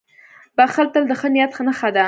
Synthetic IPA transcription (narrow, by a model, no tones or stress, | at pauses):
baxəlt̪əld̪əxənijat̪xənəxad̪a